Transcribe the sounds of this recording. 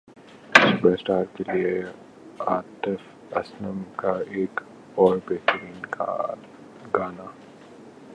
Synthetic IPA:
sʊpesʈaːɾkelie | aːt̪əf | ɐ̰snəmkaeːk | ɔːɾbeːɦt̪əɾiːnka̰ | ɡaːna

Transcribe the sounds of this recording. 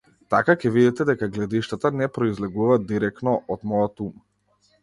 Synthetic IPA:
t̪akakɛvid̪ɛt̪ɛd̪ɛkaɡlɛd̪iʃt̪at̪anɛpɾɔizlɛɡuvaːiɾɛkt̪nɔʔɔd̪mɔjat̪uma

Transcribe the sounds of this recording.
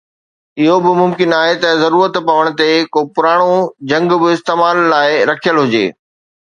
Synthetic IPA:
ɪɦobɪmʊmkɪnaːɦet̪ɐzɐɾuːɾət̪pɐʋəɽ̃ʊ̆t̪ekoːpʊɾaːɽ̃od͡ʑɐ̃ŋɡbɪɪst̪eːmaːlːaːɪɾɐkʰijəlɦʊd͡ʑḛː

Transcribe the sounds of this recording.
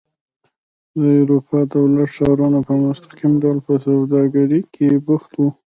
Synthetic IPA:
d̪əaɾupɑd̪awlaʈʃɑɾunapəmʊst̪ḁqimɖawlpəsawd̪ɑɡaɾikʰebʊxt̪wu

